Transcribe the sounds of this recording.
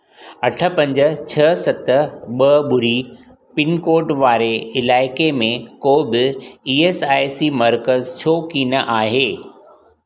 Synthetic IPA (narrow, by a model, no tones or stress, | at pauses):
ɐʈʰə̆pɐ̃ɲd͡ʑə̆t͡ɕʰɐsɐt̪ɓɐɓʊɾi | pɪnkoːʈʋaːɾeɪlaːɪkemẽkoːbɪiːeːsaːɪsimɐɾkəzt͡ɕʰoːkiːnəʔaːɦeː